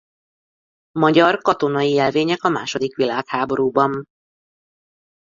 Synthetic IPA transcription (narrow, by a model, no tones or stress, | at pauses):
mɒɟɒrkɒt̪o̞n̪ɒjiɛlveːɲɛkɒma̰ːʃo̞d̪ikʋilaːkhaːbo̞ɾuːbɒn